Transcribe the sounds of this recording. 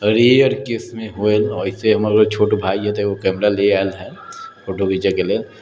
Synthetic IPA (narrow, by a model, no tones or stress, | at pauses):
ɾiəɾkesmẽɦoelɔɪseɦɐmaːɾeot͡ʃʰoːʈobʱaːiɦɛ̃t̪ookɛːmɾaleaːlɦɛːt͡ʃʰoːʈoɡid͡ʒakelel